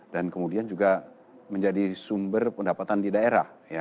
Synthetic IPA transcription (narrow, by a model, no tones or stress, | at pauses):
dankəmudiand͡ʒuɡa | məɲd͡ʒadisumbərpəndapat̪andidaeɾa̰hja